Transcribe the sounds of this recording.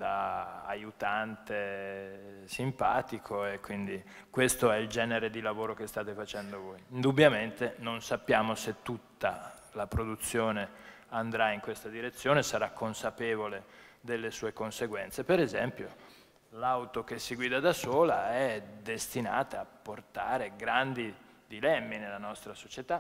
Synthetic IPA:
d̪aa̰jut̪ant̪e | simpa̰ːt̪ikʰoekwind̪i | kwest̪oɛild͡ʒɛːneɾed̪ilavoːɾokest̪aːt̪efat͡ʃɛnd̪ovojind̪ubːjament̪enonsapːjaːmoset̪ːut̪ːa̰ | lapɾod̪ut̪sːjoːne | and̪ɾaiŋkwest̪ad̪iɾet̪sːjoːnesaɾakʰːonsapeːvole | d̪elːesuːekonseɡwɛnt̪sepeɾezɛmpjo | lawt̪okesːiɡwiːd̪ad̪asoːlaɛd̪est̪ina̰ːt̪aapːort̪a̰ːɾeɡɾand̪i | d̪ilɛmːinelːanɔst̪ɾasot͡ʃet̪a

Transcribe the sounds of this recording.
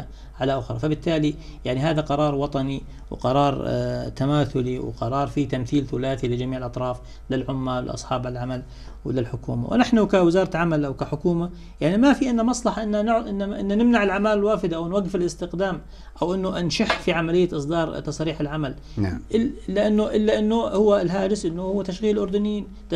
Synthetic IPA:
a | ʕalaʔʊxɾˤɑfabɪt̪ːaːlijaʕniɦaːðaqɑɾˤɑːɾˤwɑt̪ˤɑni | w̰qɑɾˤɑːɾˤt̪amaːθʊliw̰qɑɾˤɑːɾˤfit̪amθiːlθʊlaːθilɪd͡ʒamiːʕɪlʔɑt̪ˤɾˤɑːf | lɪlʕʊmːawɪ̰lʔɑ̰sˤħɑːbalʕamal | wlɪlħʊkṵːma̰wɪ̰naħnʊkawɪzɑːɾˤɑʕamalʔawkaħʊkuːma | jaʕnimafiʔɪnːamɑsˤlɑħɑʔɪnːanʕʔɪnːaaʔɪnːanɪmnaʕɪlʕamaːlɪlwaːfɪd̪aʔawnwaɡːɪfɪlʔɪst̪ɪqd̪aːm | ʔawʔɪnːʊʔnʃaħfiʕamalɪjːaʔɨsˤd̪ɑːɾˤt̪ɑsˤɾiːħɪlʕamal | ʔɪːaʔɪnːʊʔɪlːaʔɪnːʊhʊwːlɦaːd̪ɪsʔɪnːʊhʊwːt̪aʃɣiːllʔʊɾd̪ʊnɪjiːn

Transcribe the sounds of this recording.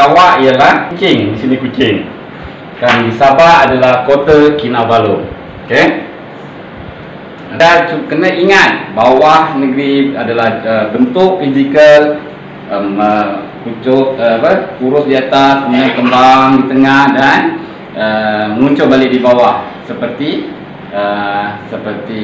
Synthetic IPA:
awaʔijəlahkut͡ʃɪŋdisinikut͡ʃɪŋ | kanisabaʔadalahkot̪akinabalo | oke | at͡ʃukənəiŋat̪̚bawahnəɡɾiadalahəbənt̪ʊʔfizikəl | əə | kut͡ʃʊʔapəuɾʊsdiat̪asməɲəkəmbaŋdit̪əŋahdan | əŋuɲt͡ʃʊʔ̚balɪʔ̚dibawah | səpərt̪i | əsəpərt̪i

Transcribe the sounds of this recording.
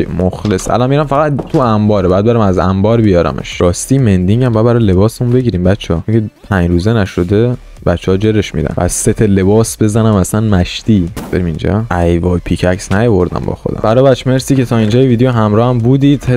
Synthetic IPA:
moxlesæ̰lɒnmːiɾæmfæɣæt̪t̪ʰuæmbɒːɾebæːd̪̚beɾæmæzæ̰mbɒːɾbijɒɾæ̰mʔḛʃɾɒːst̪iːmend̪iŋɟæmbæd̪bæɾɒjle̞bɒːsemunbeɟiɾiːmbæt̪t͡ʃʰːehɒːoŋcʰepʰæɲɾuːzenæʃo̞d̪e̞ | bæt̪t͡ʃːehɒːd͡ʒeɾeʃmḭd̪æ̰næzset̪ʰele̞bɒːsbe̞zænæmæsænmæʃt̪iːb̥eɾimind͡ʒɒ̰ʔæjvɒːjpʰicʰæcsnæjovo̞ɾd̪æ̰mbɒ̰ːxod̪æ̰mbæɾɒːbæt͡ʃʰːmeɾsiːcet̪ʰɒːind͡ʒɒːjeviːd̪ejoɦæmɾɒːhæmbuːd̪iːd̪̥he

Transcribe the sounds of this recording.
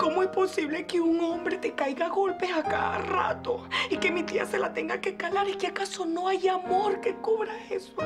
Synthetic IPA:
ko̞moespo̞siβle̞keuŋo̞mbɾet̪e̞kajɣaɣo̞lpe̞saka̰ða̰ra̰t̪o̞ike̞mit̪ia̰se̞lat̪e̞ŋɡake̞kalaɾikeakaso̞no̞ajamo̞ɾke̞kuβɾae̞so

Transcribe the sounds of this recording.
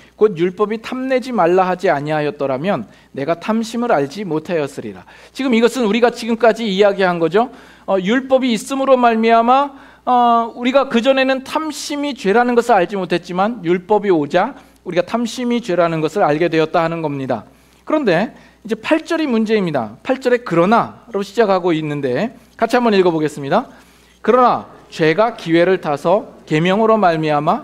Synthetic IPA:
kod̚juɭp͈ʌbitʰamne̞d͡ʑimaɭːaɦad͡ʑiaɲiaɦajʌt̚t͈ʌɾamjʌnː | e̞ɡatʰamɕʰimɯɾaʎd͡ʑimotʰajʌs͈ɯɾḭɾa̰ | t͡ɕiɡɯmiɡʌsʰɯnuɾiɡat͡ɕiɡɯmk͈ad͡ʑiːjaɡiɦanɡʌd͡ʑo | ʌjuɭp͈ʌbiːs͈ɯmɯɾomaɭmiama | ʌuɾiɡakɯd͡ʑʌne̞nɯntʰamɕʰimit͡ɕwe̞ɾanɯnɡʌsʰɯɾaʎd͡ʑimotʰe̞t̚t͡ɕ͈imanjuɭp͈ʌbiod͡ʑa | uɾiɡatʰamɕʰimit͡ɕwe̞ɾanɯnɡʌsʰɯɾaɭɡe̞dwe̞ʌt̚t͈ahanɯnɡʌmɲida̰ | kɯɾʌnde̞ | id͡ʑe̞pʰaɭt͡ɕ͈ʌɾimund͡ʑe̞imɲida̰pʰaɭt͡ɕ͈ʌɾe̞kɯɾʌnaɾaoɕʰid͡ʑakʰaɡoinːɯnde̞kat͡ɕʰiɦambʌniɭɡʌboɡe̞s͈ɯmɲida | kɯɾʌnat͡ɕwe̞ɡakiwe̞ɾɯɭtʰasʰʌke̞mjʌŋɯɾomaɭmiama

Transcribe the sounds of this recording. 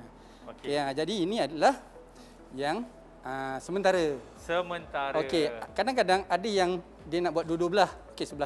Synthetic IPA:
kead͡ʒadiːnĩadalah | jaŋ | əsəmənt̪aɾə | səmənt̪aɾokekadaŋkadaŋadəjaŋ | diənaʔbuat̪̚dudubəlasokesəbəla

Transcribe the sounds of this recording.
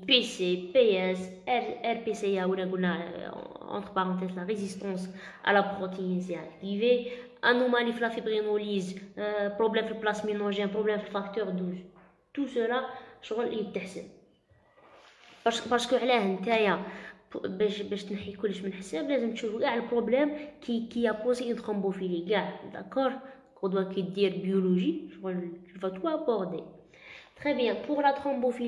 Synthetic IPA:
pesepeɛs | ɛɛɾpeseæwəlænɡulnæ̰ | ɑ̰̃t̪χpɑʁɑ̃t̪̬ɛzlaʁezist̪ɑ̃sʕ̰lapʁot̪ejənsjæd̪ive | ʔa̰nomalifilæfibʁinolizpɾoblɛmfilplasminɔʒɛpʁoblɛmfilfakt̪œʁd̪uz | t̪usəlaʃɣəlʔiət̪ːəħsə̰n | pɑɾskəʕlæhənt̪æja | bæʃbæʃt̪nħikʊlːəʃmənħsæblæzəmt̪ʃufɡaʕlpɾoblɛmkikijapozeənt̪χɑ̃bofiliɡaʕd̪a̰kːɔɾ | kɔ̃d̪wækid̪iɾbjoloʒiʃɣlkifæt̪uabɔʁd̪e | t̪χɛbjɛ̃pʊʁlat̪χɑ̃mbofi

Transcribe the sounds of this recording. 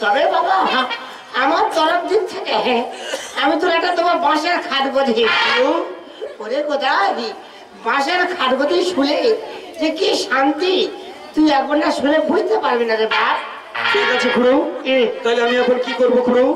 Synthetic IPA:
t̪ɔbebabaɦa | amaɾt̪ɔɾopd̪it̪ːʰekẽ | amit̪oɾɛk̚ʈat̪omaɾbãʃaɾkʰad̪bod̪ʱikuɽu | poɾekod̪aɦi | bãʃaɾkʰad̪bod̪ʱiʃule | d͡ʒekeʃant̪i | t̪ujaponːaʃulebʱujt̪epaɾbenaɾebaɾ | bekat͡ɕʰekʰuɽut̪ɔjleamiɛkʰonkikoɾbokʰuɾu

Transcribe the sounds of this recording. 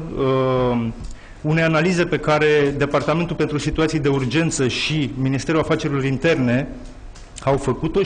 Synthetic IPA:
ə | une̞janalize̞pe̞kaɾe̞d̪e̞part̪ame̞nt̪ulpe̞nt̪ɾusit̪uat̪sijd̪e̞urd͡ʒe̞nt̪səʃiminist̪e̞ɾulafat͡ʃe̞ɾilo̞ɾint̪e̞rne̞ | awfəkut̪o̞

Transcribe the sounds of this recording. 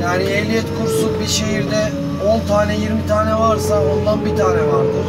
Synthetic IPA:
jaːniɛvlʲijɛt̪kʰuɾsuk̚biɾʃe̞ɦiɾd̪ɛ | ont̪ʰaːnɛjiɾmit̪ʰaːnɛvaɾsao̞nd̪anbit̪ʰaːnɛvaɾd̪ɯɾ

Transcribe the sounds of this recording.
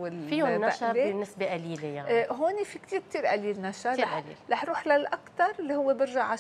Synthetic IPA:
ɪlfiʊnːaʔʃaenːɪsbeʔaliːlejaɦoːnifikt̪iːɾk̚t̪iːɾʔaliːlnaʃaaɾlḭlaħɾuːħlalʔakt̪ɑɾˤɪlːihʊwːebɪɾʒaʕa

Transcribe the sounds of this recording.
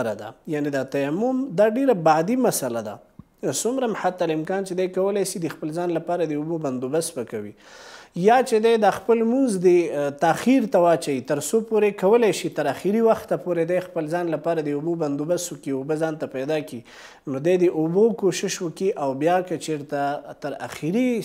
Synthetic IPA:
ɾad̪a̰janed̪at̪ajamːʊmd̪ɑɖeɾabaʕd̪imasalad̪a̰ | sʊmɾamħat̪ːalɪmkɑnt͡ʃed̪ajkawəlajʃid̪əxpəlzɑnlapɑɾad̪əuboband̪ubasbakawḭ | jɑt͡ʃed̪ajd̪ɑxpəlmunzd̪ət̪axiɾt̪awɑt͡ʃait̪əɾsopoɾekawəlajʃit̪əɾaxiɾiwaxt̪apoɾed̪ajxpəlzɑnlapɑɾad̪əuboband̪ubaswəkiubəzɑnt̪apajd̪ɑki | nod̪ajd̪əʔubokoʃɪʃwəkiʔawbjɑkat͡ʃeɾt̪at̪əɾa̰xiɾi

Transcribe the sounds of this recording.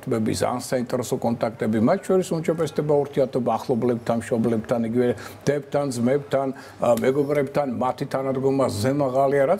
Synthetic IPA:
t̪ʰbɛbḭsa̰nsaint̪ʼɛɾɛsɔkʼɔnt̪ʼakʰt̪ʼɛbimat̪ʰʃʰɔɾisund͡ʒabɛsd̪ɛbaɔɾt̪ʰiat̪ʰɔbaːχlˠɔblɛp̚t̪ʰanmʃɔblɛb̚t̪ʰaniɡivɛd̪̥ɛp̚t̪ʰand̪zmɛpt̪ʰan | mɛɡɔbɾɛb̚t̪ʰanmat̪ʰit̪ʰanad̪ɡɔmaːɛmaʁaliaɾa

